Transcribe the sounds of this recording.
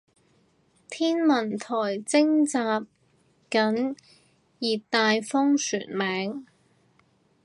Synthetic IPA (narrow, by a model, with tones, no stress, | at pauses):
t̪ʰiː˥nmɐ˨˩nt̪ʰɔː˨˩jt͡sɪ˥ŋt͡saː˧p̚ | kɐ˨˥n | jiː˨˩t̪aː˧jfʊ˥ŋsy̰ː˨˩nmɛː˨˥ŋ